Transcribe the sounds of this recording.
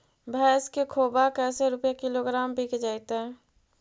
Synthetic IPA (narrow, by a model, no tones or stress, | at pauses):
bʱɛːskekʰoːbakɛːseɾʊpjakɪloɡɾaːmbʱiked͡ʒaːɪt̪eɦɛ̃ː